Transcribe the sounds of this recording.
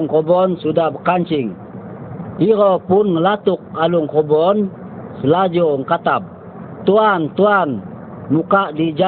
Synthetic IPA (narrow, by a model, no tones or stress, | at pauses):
ŋkɔbɔnsudahbəkaɲt͡ʃiŋ | iɾɔpunŋəlat̪uk̚aluŋkɔbɔn | səlad͡ʒɔŋkat̪ap̚ | t̪uant̪uan | mukaʔdid͡ʒa